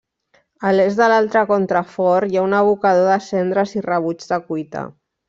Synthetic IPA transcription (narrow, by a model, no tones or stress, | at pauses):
əlezðəlalˠt̪ɾəkɔnt̪ɾəfɔɾjaunəβ̞ukaðoðəsɛnd̪ɾəzirəβ̞ud͡ʒðəkujt̪ə̰